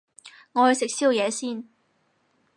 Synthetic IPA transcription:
ŋɔː˨˧hɵ˧jsɪ˨k̚siː˥wjɛː˨˧siː˥˩n

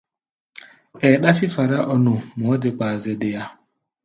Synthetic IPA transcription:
e˨ɗa˦fɪ˦fa˨ɾa˦ʔɔ˦nʊ˨m˨ɔ˨˦dɪ˨kʷa˨a˨zɪ˨dɪ˨ja˦

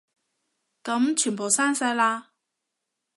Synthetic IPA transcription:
kɐ˨˥mt͡ʃʰyː˨˩npo˨˩wsaː˥nsɐ˧˥jlaː˧

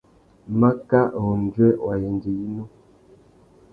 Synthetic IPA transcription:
ma˦ka˦ʔo˨n˨d͡ʒɥɛ˦wa˨je˨n˨d͡ʒi˨i˦nu˦

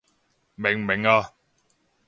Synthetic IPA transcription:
me˨˩ŋme˨ŋaː˧

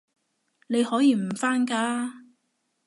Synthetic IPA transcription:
ne˨˧jhɔː˨˥jiː˧m̩˨˩faː˥nkaː˧

